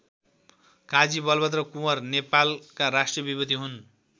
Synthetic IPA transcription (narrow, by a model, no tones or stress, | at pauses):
kad͡zibʌlbʌt̪rʌkumʌrnepalkaɾasʈrijʌbibʌd̪iɦun